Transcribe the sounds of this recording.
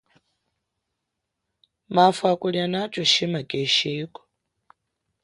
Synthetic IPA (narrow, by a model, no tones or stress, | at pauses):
mafakʼuljanat͡ʃʼɔʃimakʼeʃiːkʼɔ̥